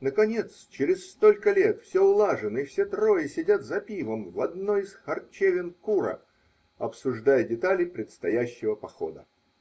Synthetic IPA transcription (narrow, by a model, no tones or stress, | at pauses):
nəkɐnʲe̞t̪st͡ɕɪɾʲɪsst̪o̞lʲkəlʲe̞t̪fsʲeʊlˠaʐɨnɨifsʲe̞t̪ɾo̞jɪsʲɪdʲat̪zɐpʲivəmvɐd̪noɪsxɐrt͡ɕevʲɪnkuɾə̰ | ɐpsʊʐd̪ajədʲɪt̪alʲɪpɾʲɪt̪st̪ɐjæɕːɪvəpɐxo̞̰d̪ə̰